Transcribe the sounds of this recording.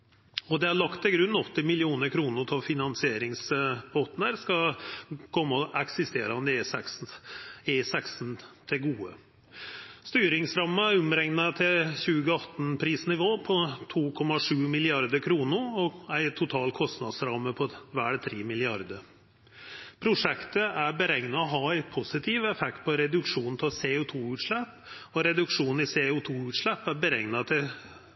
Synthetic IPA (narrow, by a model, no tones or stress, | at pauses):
ɔd̪ɛæɭɑkt̪ɪɡɾʉnːɔt̪ːɪmɪlɪuːnəɾkʰɾuːnəɾt̪ʰɔfɪnɑnsɪeːɾɪŋsbɔt̪n̩əɾskɑkʰɔmːəɔʔɛksɪst̪eːɾɑɔnd̪eːsɛs | eːsɛksnt̪ʰɪlɡuːə | st̪yːɾɪŋsɾɑmːəʊmɾɛŋnɑt̪ʰɪlçʉːɡəɑt̪ːn̩pʰɾiːsnɪʋoːpʰɔt̪ʰuːkʰɔmɑʂʉːmɪlɪɑɾd̪əɾkʰɾuːnʊɾɔæɪt̪ʰʊt̪ʰɑːlkʰɔst̪nɑd̪sɾɑmːəpʰɔʋæːɖt̪ʰɾeːmɪlɪɑɾd̪əɾ | pʰɾʊʂɛkt̪əʔæɾbəɾɛŋnɑɔɦɑæɪpʰʊsɪt̪ʰiːʋəɛfɛk̚t̪̚pʰɔɾɛd̪ʉkʂuːnnt̪ʰɪseʊt̪ʰuːʉːt̪ʂɭɛpː | ɔɾɛd̪ʉkʂuːn̩ɪseʊt̪ʰuːʉːt̪ʂɭɛpːæɾbəɾɛŋnɑt̪ʰɪl